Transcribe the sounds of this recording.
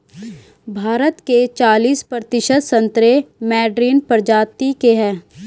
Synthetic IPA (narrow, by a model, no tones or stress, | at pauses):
bʱaːɾət̪ket͡ʃaːliːspɾət̪ɪʃəd̪sə̃nt̪ɾemɛːɖɾiːnpəɾd͡ʒaːt̪ikeɦɛ̃ː